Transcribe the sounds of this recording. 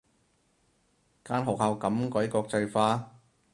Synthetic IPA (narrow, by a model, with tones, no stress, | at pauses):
kaː˥nɦɔː˨k̚ha˧wkɐ˨˥mkɔ˨˥jkɔː˧k̚t͡sɐ˧jfaː˧